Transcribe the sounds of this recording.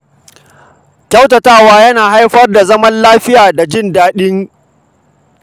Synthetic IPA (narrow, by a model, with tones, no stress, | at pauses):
kʲa˦wtɐ˨taː˦˨waː˦jɐ˦naː˨ɦa˦jɸɐ˦rda˨zɐ˦mɐ˦nlaː˦ɸɪ˦jaː˨da˨d͡ʒɪ˦ndaː˦ɗɪ˦ŋ